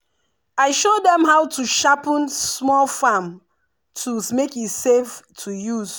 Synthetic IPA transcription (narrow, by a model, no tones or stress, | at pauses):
aɪʃodɛ̃mɦaʊtʰuʃapə̃nsmɔlfam | tʰuzmekiseftʰujuz